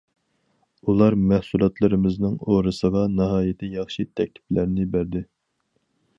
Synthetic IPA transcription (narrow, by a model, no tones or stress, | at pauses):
ulˠɑɾmæhsulˠɑt̪lˠɨɾɨmɪznɨŋoɾɨsɨvɑnɨɦɑːjɪt̪ʰɪjɑχʃit̪ʰɛk̚ʲt̪ʰɪ̥plæɾnɪbæɾd̪ɪ